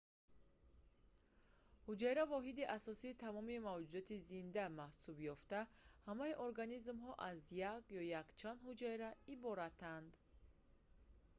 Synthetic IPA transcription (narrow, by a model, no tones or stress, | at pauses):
hud͡ʒajɾavɔɦid̪iʔasɔsiːt̪ʰamɔmimavd͡ʒud̪ɔt̪ʰizind̪amahsubjɔft̪ahamaiʔɔɾɡanizmɦɔʔazjakjɔjakt͡ʃʰand̪hud͡ʒajɾaibɔɾat̪ʰand̪